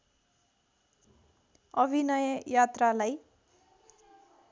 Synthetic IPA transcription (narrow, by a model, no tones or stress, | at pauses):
ʌbʱinʌjʌjat̪ralaj